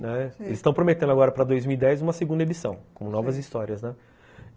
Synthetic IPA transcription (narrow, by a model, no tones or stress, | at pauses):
nɛelɪsɪ̥st̪ɐ̃w̃pɾomet̪ẽnd̪ʊaɡɔɾɐpɾɐd̪ojzmiwid̪ɛjzũmɐseɡũnd̪ɐed͡ʒ̪isɐ̃w̃kõmʊnɔvɐzist̪ɔɾiɐznɛ